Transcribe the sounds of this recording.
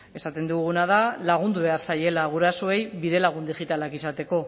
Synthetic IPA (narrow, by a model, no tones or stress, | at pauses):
e̞sat̪e̞nd̪uɣ̞unað̞alaɣ̞und̪uβe̞aɾsaje̞laɣ̞uɾasoe̞jβiðe̞laɣund̪iʝit̪alakisat̪e̞ko̞